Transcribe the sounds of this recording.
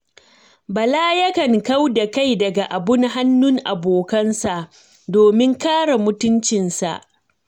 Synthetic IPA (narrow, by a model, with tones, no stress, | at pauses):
bɐ˨laː˦jɐ˦kɐ˨ŋka˦wda˨ka˦˨jdɐ˨ɡa˨ʔa˨bʊ˦ŋɦa˦nːʊ˦ŋʔa˨boː˨kɐ˦nsa˨ʔ | doː˨mɪ˦ŋkaː˦ɽa˨mʊ˦tʊ˦nt͡ʃɪ˨nsa̰˨ʔ